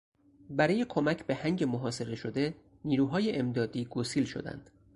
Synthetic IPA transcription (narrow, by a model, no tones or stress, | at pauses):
bæɾɒːje̞kʰomæcʰbe̞hæŋɟe̞moɦɒːse̞ɾe̞ʃod̪e̞ | niːɾuːɦɒːje̞ʔemd̪ɒːd̪iːɡosiːlʃo̞̰d̪æ̰nd̪̥